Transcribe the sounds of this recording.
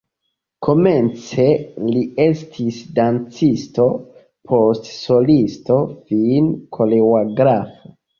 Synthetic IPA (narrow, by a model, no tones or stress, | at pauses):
kʰo̞me̞nt͡se̞lie̞stʰisdant͡sisto̞ | pʰo̞stso̞listo̞finkʰo̞lewaɡɾafo